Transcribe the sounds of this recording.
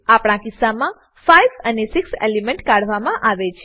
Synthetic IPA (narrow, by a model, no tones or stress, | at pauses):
apɽ̃ãkisːamã | fajʋənesiksḛlemɛɳʈkaɽ̤ʋamãʔaʋet͡ʃʰe